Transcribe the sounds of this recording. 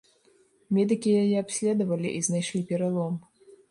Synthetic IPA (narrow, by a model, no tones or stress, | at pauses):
mʲɛd̪ɨkʲijajɛapsʲlʲɛd̪ɐvɐlʲiʔiznajʂlʲipʲɛɾalˠɔm